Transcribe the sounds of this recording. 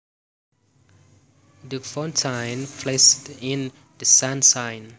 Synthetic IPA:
dəfɔ̃ntʰãɪ̃nfʰlestɪ̃n | dəsãnsãɪn

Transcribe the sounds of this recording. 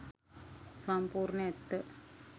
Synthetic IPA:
sɐmpuːɾɳɐet̪ːə

